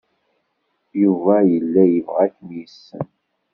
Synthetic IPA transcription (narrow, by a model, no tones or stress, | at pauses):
juvæjəlːæjəvʁækmijsːə̰n